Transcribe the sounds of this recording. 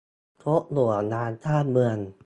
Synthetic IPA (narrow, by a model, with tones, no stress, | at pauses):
t̪ʰo˦˥ʔlu˨˩ɐnaː˧nt̪ʰaː˥˩t̪̚mɯ˧ən